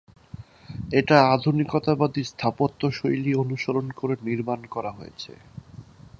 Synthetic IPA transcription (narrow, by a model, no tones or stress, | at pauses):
eʈaad̪ʱunikot̪abad̪ist̪ʰapot̪ːoʃojlionuʃoɾonkoɾeniɾmankɔɾaɦojḛt͡ɕʰḛ